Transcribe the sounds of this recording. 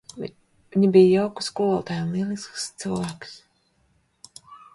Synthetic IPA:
viɲibijjawku̥skulɔlˠt̪ajunlˠiɛlˠiskst̪sɨlvæːks

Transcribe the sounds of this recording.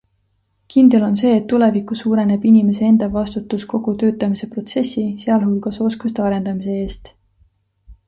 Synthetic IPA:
kind̪̥e̞lo̞nse̞ːt̪ːule̞vikːˑusuːɾe̞ne̞b̥inime̞see̞nd̪̥ɑvɑst̪ut̪ːˑusko̞ɡ̥ut̪ø̞ːt̪ːˑɑmise̞pro̞t̪se̞sʲise̞ɑlhulɡ̥ɑso̞skust̪eɑɾe̞nd̪̥ɑmise̞e̞ːst̪

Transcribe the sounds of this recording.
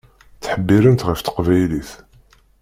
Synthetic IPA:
θħəbːiɾənt̪ʁəft̪ə̥qvæjliθ

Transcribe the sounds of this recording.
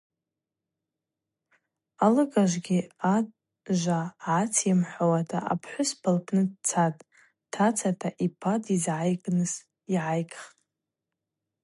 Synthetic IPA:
alɨɡʼaʒʷɡʲiatʼ | ʒʷaʕat͡sʰjamħʷawatʰaʔa̰pʰħʷʊspʰalpʰnɨdt͡sʰatʼ | tʰat͡sʰatʰaʔipʰadizʕajɡʼnɨs | iʕajkʼχtʼ

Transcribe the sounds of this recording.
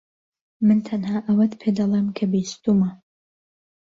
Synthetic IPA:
mɨnt̪ʰɐnhaːʔɐwɐt̪pʰed̪ɐlˠemkʰɐbist̪umɐ

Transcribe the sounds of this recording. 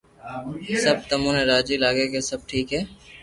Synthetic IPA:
səb̚t̪əmũːneɾaːd͡ʒilaːɡeːkesəb̚ʈʰiːkɦɛː

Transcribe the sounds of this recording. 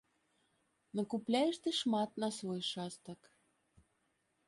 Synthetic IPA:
nokuplʲajɛʂt̪ɨʂmɑt̪nɐsvojʂɑst̪ək

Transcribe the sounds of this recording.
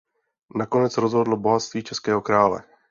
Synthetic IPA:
nako̞nɛt͡sɾozɦodlobo̞ɦat̪st̪viːt͡ʃɛskɛːɦo̞kɾaːlɛ̰

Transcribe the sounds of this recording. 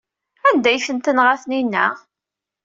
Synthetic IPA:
ænd̪æjfənt̪ənʁaθninːæ

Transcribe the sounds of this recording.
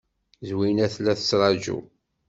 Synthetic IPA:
zwinæθlæθə̥sɾˤɑd͡ʒṵ

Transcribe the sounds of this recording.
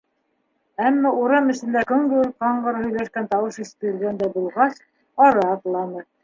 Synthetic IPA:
æmːæuɾɑmɘ̆ʃɘ̆nd̪ækɵ̆ŋɡɘ̆ɵk̚qɑɴɢɤɾhɵ̆jlæʃkænt̪ɑwɤʃist̪ɘ̆ɘ̆lɡænd̪æbulˠʁɑs | ɑɾɑːt̪lˠɑnɤ

